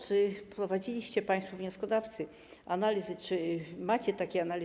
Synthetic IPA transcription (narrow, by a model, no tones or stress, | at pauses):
t͡ʂɘpɾɔvad͡ʑilʲiɕt͡ɕɛpaj̃st̪fɔvɲɔskɔd̪aft̪sɘ | analʲizɘt͡ʂɘmat͡ɕɛt̪akʲɛanalʲi